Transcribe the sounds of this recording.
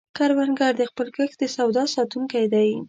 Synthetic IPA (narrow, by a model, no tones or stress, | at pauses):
kaɾwanɡaɾd̪əxpəlkəxd̪əsawd̪ɑsɑt̪uŋkajd̪aji